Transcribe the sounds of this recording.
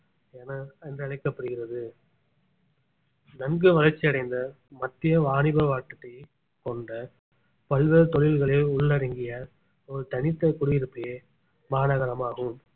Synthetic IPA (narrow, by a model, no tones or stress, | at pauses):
ɛnɐɛndrɯɐɭɐɪkːɐpːɐɽɯɣɪrɐðɯ | nɐnɡɯʋɐlɐɾt͡ʃːɪɐɽɐɪnd̪ɐ | mɐt̪ːɪjɐʋaːɳɪbɐʋaːʈːɐʈːɐ | kɔɳɖɐ | pɐɭʋeɾt̪ɔɻɪlɣɐɭeʊɭːɐɾɪŋɡɪjɐ | ɔɾɯt̪ɐnɪt̪ːɐkʊɽɯjɪɾɯpːɐjeː | maːnɐɣɐɾɐmaːɣɯm